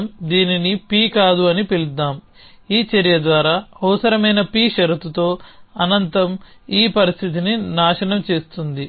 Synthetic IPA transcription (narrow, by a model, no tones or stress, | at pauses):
md̪iːninipiːkaːd̪uɐnipilud̪aːm | iːt͡ʃɐɾijɐd̪ʋaːɾaːɐʋɐsɐɾɐmɐjnɐpiːʃɐɾut̪ut̪o̞ːɐnɐnt̪ɐm | iːpɐɾist̪ʰit̪̬ininaːʃɐɳɐmt͡ʃe̞ːst̪und̪i